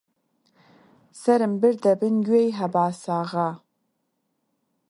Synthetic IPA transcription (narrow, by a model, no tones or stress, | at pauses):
sɐɾɨmbɨrdɐbɨnɡʲɥejɦɐbaːsaːʁa